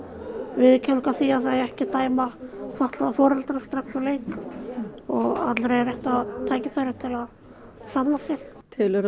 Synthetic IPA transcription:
vɪðcʰɛnkaθiːjaθaðɛhcɪt̪aːjmafaht̪lafɔːɾalt̪ɾast̪ɾaksɔlejk | ɔɣa̰t̪lɾejrɛht̪aðt̪ʰaːjcɪfajɾɪ̥t̪ʰɪlað | sanlːasɛxt̪ʰɪlɾ

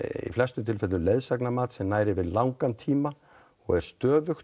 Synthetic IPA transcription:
ḭflɛst̪ʏmt̪ʰɪlfɛt̪ʏleðsaknamaːt̪sɛmnaːjɾɪvɪðlawŋkant̪ʰiːma | ɔɣɛɾ̥st̪œːðʏxt̪

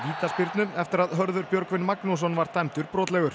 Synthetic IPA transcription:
viːt̪aspɪɾt̪nʏmɛft̪ɪɾaðɦœɾðʏɾpjœɾkvɪnːmaknus̬ɔnvaɾ̥t̪ʰajmt̪ʏɾpɾoːt̪lɛɣʏɾ̥

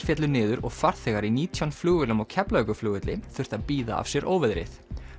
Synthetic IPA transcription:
fjɛt̪lʏɾnɪːðʏɾɔɣfaɾ̥θɛɣaɾiniːt̪ʰjawnfluːɣʏlʏmɔɣcʰɛplœkʏfluːɣɪt̪lɪθʏɾ̥t̪aðpiːða̰a̰v̥sjɛɾʔoːwvɛðɾɪ̰θ

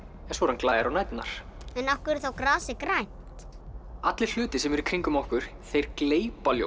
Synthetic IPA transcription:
ɛnsvoːɾanklaːjaɾawnajt̪na̰ɾ̥ɛnafkʏɾɾ̥θawkɾaːsɪkɾaj | t̪ | at̪lɪ̥l̥ʏːt̪ɪsɛmɛɾikʰɾiŋkʏmɔhkʏɾ̥θejɾ̥kleːjpaljo̰

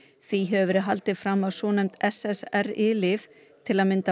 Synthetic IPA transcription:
θiɦɛvvɾɪɦalt̪ɪðfɾamːaðsɔːnɛjmt̪ɛsɛsɛɾɪːlɪf | t̪ʰɪlaðmɪnt̪a

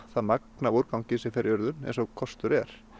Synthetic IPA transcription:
θaðmak̚navoɾkawɲcɪsɪfɛɾɪœɾðʏnɛ̰ns̬ɔɣkʰɔst̪ʏɾɛɾ̥

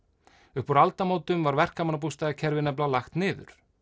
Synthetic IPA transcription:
ʏhpɔɾalt̪amoːwt̪ʏmvaɾvɛr̥kamanap̬ust̪aðacʰɛɾvɪnɛp̬lalaxt̪nɪːðʏ̰ɾ̥

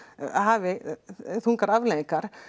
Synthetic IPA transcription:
haːvɪθuŋkaɾavleːðĩŋkaɾ̥

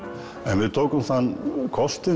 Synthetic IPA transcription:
ɛnvɪðt̪ʰoːwkʏmθanːkʰɔst̪ɪ

